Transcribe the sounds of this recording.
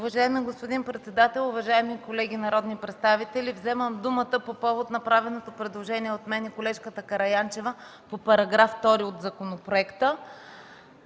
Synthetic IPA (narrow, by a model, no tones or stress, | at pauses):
ʊvɐʒaɛmiɡospod̪inpɾɛt̪sɛd̪at̪ɛlˠʊvɐʒaɛmikolɛɡʲinɐɾɔd̪nipɾɛt̪st̪avit̪ɛlivzɛməmd̪umət̪əpopɔvot̪nɐpɾavɛnot̪opɾɛd̪lˠoʒɛniɛot̪mɛnɛkolɛʃkət̪əkɐɾɐjant͡ʃɛvəpopɐɾɐɡɾaft̪ɔɾiot̪zɐkonopɾoɛkt̪ə